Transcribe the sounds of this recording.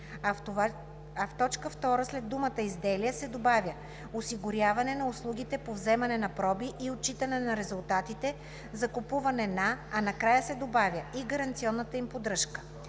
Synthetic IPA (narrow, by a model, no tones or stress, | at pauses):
ɐft̪ɔt͡ʃkəft̪ɔɾəslɛd̪ːumət̪əizd̪ɛlijəsɛd̪obavjə | osiɡʊɾʲjavɐnɛnɐʊslˠuɡʲit̪ɛpovzɛmɐnɛnɐpɾɔbiʔiot̪̚t͡ʃit̪ənɛnɐɾɛzulˠt̪at̪it̪ɛ | zɐkopuvɐnɛnaːnɐkɾajəsɛd̪obavʲjəiɡɐɾɐnt̪siɔnːət̪əimpod̪ɾɤʃkə̥